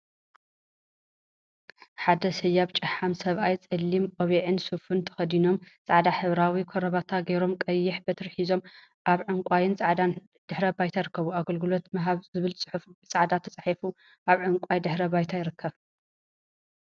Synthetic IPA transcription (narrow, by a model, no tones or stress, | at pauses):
ħad̪ɐsɨjːaβt͡ʃʼɨħamsɐβʔajt͡sʼɨlːimʔʼoβiʕɨnsufunt̪ʰɐ̥xɐd̪ino̞mt͡sʼaʕd̪aħɨβɾawikʰoɾɐβat̪ʰaɡejɾo̞mkʼɐjːɪħbɐt̪ʰɐɾħizo̞m | ʔaβʕɨŋkʷʼajɪnt͡sʼaʕd̪an | d̪̥ɨħɾɐbajt̪ʰajɪɾɨkʰːɐβuaɡɐlɡɨlo̞t̪mɐɦaβzɨβɨlt͡sʼɨħufut͡sʼaʕd̪at̪ʰɐt͡sʼɨħɐfu | ʔaβʕɨŋkʷʼajd̪ɨħɾɐbajt̪ʰajɪɾɨkʰːɐβ